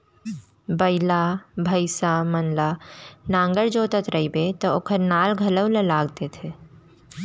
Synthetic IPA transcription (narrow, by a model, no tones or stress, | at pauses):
bəɪlabʱəɪsamənlanãːŋɡəɽd͡ʒoːt̪ət̪ɾəɦibet̪ɔoːkəɾnaːlɡʱələwlelaːɡd̪et̪ʰe